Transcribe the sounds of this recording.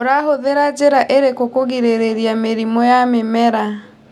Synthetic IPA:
oɾaɦoðeɾad͡ʑeɾaʔeɾekokoɣiɾeɾeɾiameɾimɔjamemɛɾa

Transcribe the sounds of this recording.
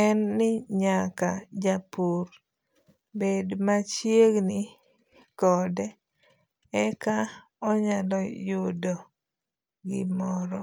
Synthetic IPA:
ɛnːɪɲakad͡ʒapuɾ | bedmat͡ʃjeɡnɪ | kɔdɛ | ɛka | ɔɲalɔjʊdo | ɡɪ̰mɔɾɔ

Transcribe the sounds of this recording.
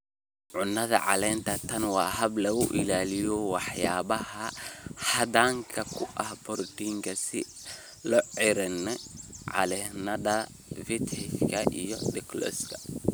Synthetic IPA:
ʕʊnːɐðɐ̰ʕɑ̰lɛːnt̪ʰɐt̪ʰɐnwɑːɦɐblɐɣʊʔɪ̰laːlɪjɔwɑħjaːβɐhɐhɐdaːŋkʰɐkʰʊʔɐhbɔrdiːŋkʰɐsɪ̰ | lɔʕɪɾɛnɛʕɑ̰lɛnɐðɐ | fɪt̪ɪkʰɐʔijɔɖɛklɔ̰skʰɐ̥

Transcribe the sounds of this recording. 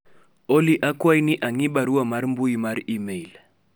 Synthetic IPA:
oliʔakʼwainiʔaŋiɓaɾiwamaɾim̩buimaɾiimeil

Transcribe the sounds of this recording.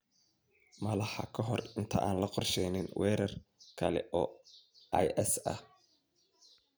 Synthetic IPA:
mɐlɑħɑ̰kʰɐɦɔrɪnt̪ʰɐʔaːnlɐqɔrʃɛjnɪnwɛːɾɐrkʰɐlɛ̰ʔɔːʔajʔɛsɐ̰h

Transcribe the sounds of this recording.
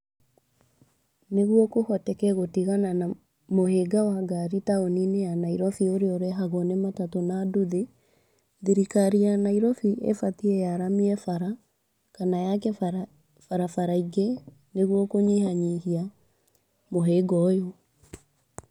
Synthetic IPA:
neɣwɔkohɔtɛkɛɣotiɣanana | moheɡawaɡaɾitaoninejanaiɾɔfioɾeɔɾɛɦaɣɔnematatonaduðe | ðiɾikaɾianaiɾɔfiʔḛfatiɛjaɾamiɛfaɾa | kanajakɛ | faɾafaɾaiɡe | neɣwɔkoɲihaɲihia | moɦeːɡɔjo

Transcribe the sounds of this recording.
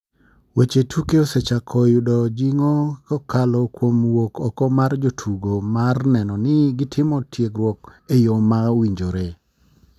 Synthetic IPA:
wet͡ʃetʰukeoset͡ʃakʰɔjʊdɔd͡ʒiŋɔkɔkalɔkwomwokʰɔkɔmard͡ʒotʰuɡomarnɛnɔnɪɡɪtʰɪmɔtʰjeɡɾwɔkejomawiɲd͡ʒoɾe

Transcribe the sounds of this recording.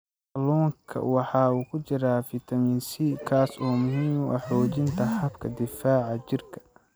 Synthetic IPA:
lɔːŋkʰɐ̰wɑħɑːuːkʰʊt͡ʃɪɾaːfɪt̪ʰɐminsikʰaːsɔːmʊɦiːmwɑ̰ħɔːt͡ʃɪnt̪ʰɐħɑbkʰɐd̪ɪfaːʕɑt͡ʃɪrkʰɐ̥

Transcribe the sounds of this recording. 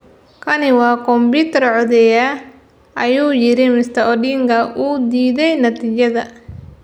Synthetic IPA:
kʰɐnɪwɑːkʰɔmbiːt̪ʰɐrʕɔðɛja | ʔɐjuːjɪɾɪmɪst̪ɐʔɔɖiːŋɡɐʔuːd̪iːðɛjnɐt̪ʰiːt͡ʃɐðɐ

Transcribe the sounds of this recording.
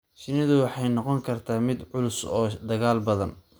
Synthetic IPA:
ʃɪnɪðʊwɑħɑjnɔqɔŋkʰɐrt̪ʰaːmɪd̪ʕʊlʊsɔːd̪ɐɣaːlbɐðɐn

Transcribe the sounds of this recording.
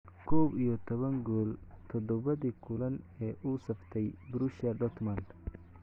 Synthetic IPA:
kʰɔːbijɔt̪ʰɔβɐŋɡɔːlt̪ʰɔd̪ɔβɐðiːkʰʊlɐnɛːʔuːsɐft̪ʰɛjbɾuʃɐlɖɔt̪ʰmɐnd̪

